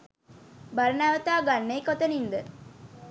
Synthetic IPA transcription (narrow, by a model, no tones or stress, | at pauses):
bɐɾɐnæʋət̪aːɡanːejkɔt̪ənind̪ə